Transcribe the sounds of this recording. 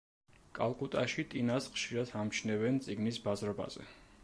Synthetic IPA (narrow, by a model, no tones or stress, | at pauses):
kʼalˠkʼut̪ʼaʃit̪ʼinasχʃiɾat̪ʰamt͡ʃʰnɛvɛnt̪sʼiɡnisbazɾɔba̰z̥ɛ̰